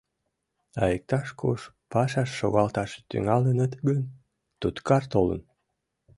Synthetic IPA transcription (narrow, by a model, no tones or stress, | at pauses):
ɑjek̚t̪ɑʃkoʃ | pɑʃɑʃːoɣɑlt̪ɑʃe̥t̪y̰ŋɑlənət̪ɡən | t̪ut̪kɑrt̪olə̰n